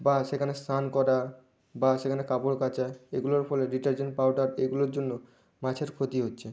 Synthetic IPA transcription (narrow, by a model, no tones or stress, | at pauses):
baʃekʰanest̪ankɔɾa | baʃekʰanekapoɾkat͡ɕaeɡuloɾfʰɔleɾiʈaɾd͡ʑenʈ̚pawɖaɾeɡuloɾd͡ʑonːo | mat͡ɕʰeɾkʰot̪iɦotːɕʰe